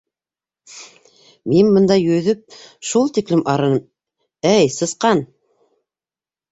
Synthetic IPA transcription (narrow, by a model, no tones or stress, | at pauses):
minbɤ̆nd̪ɑjɵ̆ðɵp̚ʃulˠt̪iklɘmʔɑɾɤ̆nɤm | æjsɤ̆sqɑn